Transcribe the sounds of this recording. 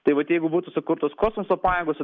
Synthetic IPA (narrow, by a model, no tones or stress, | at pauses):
t̪ɐɪʋɐt̪jɛɪɡʊbuːt̪ʊsʊkʊɾt̪oːskoːsmosopɑːjeːɡoːs